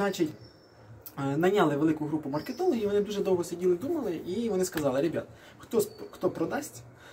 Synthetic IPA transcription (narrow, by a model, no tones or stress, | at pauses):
nɑt͡ʃitʲ | nɐnʲɑlˠɪʋelˠɪkʊɦɾupʊmɐrket̪ɔlˠɔɦʲiʋɔnɪd̪uʒɛd̪ɔwɦɔsɪdʲilˠɪd̪umɐlˠɪiʋɔnɪskɐzɑlˠɪɾebʲat̪ɐ | xt̪ɔsxt̪ɔpɾɔd̪ɑsʲtʲ